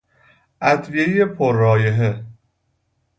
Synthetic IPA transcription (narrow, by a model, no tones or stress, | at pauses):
ʔæt̪ʰvijejepʰoɾːɒːjeɦe